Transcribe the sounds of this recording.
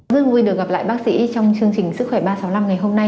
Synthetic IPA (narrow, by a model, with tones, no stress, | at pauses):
zɨ˧əŋvu˧jɗɨ˨˩ək̚ɣa˨˩pla̰ː˧˨jɓaː˦˥k̚sḭ˧˥t͡ɕɔ˧wŋ͡mt͡ɕɨ˧əŋt͡ɕï˨˩ŋ̟sɨ˦˥k̚xwɛ˧˩ɓaː˧sa˨˦wla˧mŋa˨˩jɦo˧mna˧j